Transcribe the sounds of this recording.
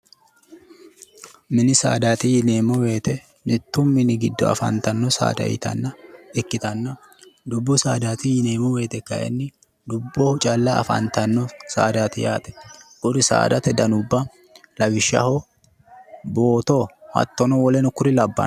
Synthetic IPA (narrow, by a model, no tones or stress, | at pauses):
mɪnɪsa̰ːd̪aːt̪ɪjɪne̞ːmɔwe̞ːt̪ɛ | nɪt̪ːʊmɪnɪɡɪd̪ːɔɐ̰fɐ̰nt̪ɐnːɔsa̰ːd̪ɐ̰jɪ̰t̪ɐ̰nːɐɪkːɪt̪ɐnːɐ | d̪ʊbːɔsaːd̪aːt̪ɪjɪneːmɔwe̞ːt̪ɛkːɐjɛ̰nːɪ | d̪ʊbːɔʊt͡ʃʼɐlːɐɐ̰fɐ̰nt̪ɐnːɔsa̰ːd̪aːt̪ɪjaːt̪ɛ̥ʔʊɾɪsa̰ːd̪ɐt̪ɛd̪ɐnʊbːɐ | lɐwɪʃːɐ̰ho | bo̞ːt̪ohɐ̰t̪ːɔnɔwɔlɛnʊkʊɾɪlɐbːɐ̰n